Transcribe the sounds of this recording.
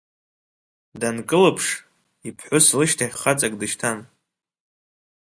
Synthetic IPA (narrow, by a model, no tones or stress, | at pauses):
dankʼɨlɨpʰʂ | ipʰħʷʊslɨʃtʰaχχat͡sʼakʼdɨʃtʰan